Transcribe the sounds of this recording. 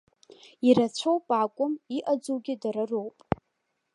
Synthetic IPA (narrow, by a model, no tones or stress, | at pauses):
iɾat͡ɕʷʰowpʼakʷʼʊmiʔad͡zowɡʲɪdaɾarowpʼ